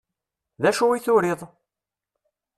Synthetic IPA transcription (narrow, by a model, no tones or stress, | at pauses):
ðæʃuwiθʊɾɪðˤ